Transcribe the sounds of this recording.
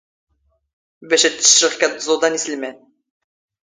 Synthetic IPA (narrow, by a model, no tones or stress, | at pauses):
bæʃæt̪ːə̥ʃɾəχkæt̪zˤud̪ˤɑnislmæn